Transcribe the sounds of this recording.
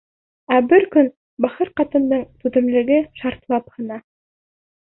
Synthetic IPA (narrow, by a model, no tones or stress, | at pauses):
æbɘɾkɵn | bɑχɤɾqɑt̪ɤ̆nd̪ɤɴt̪ʉðɘ̆mlɘ̆ɡɘʃɑɾt̪lˠɑphɤ̆nɑ